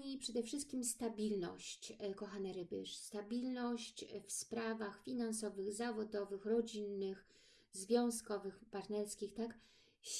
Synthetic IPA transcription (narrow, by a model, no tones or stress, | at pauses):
ɲipʂɛd̪ɛfʂɘst̪̚kʲimst̪abʲilnɔ̰ɕt͡ɕkɔxanɛɾɘbɘ̰ʂst̪abʲilnɔɕt͡ɕfspɾavaxfʲinansɔvɘɣzavɔd̪ɔvɘxɾɔd͡ʑinːɘx | zvʲjɔ̃w̃skɔvɘxpaɾnɛɾskʲixt̪ak | ɕ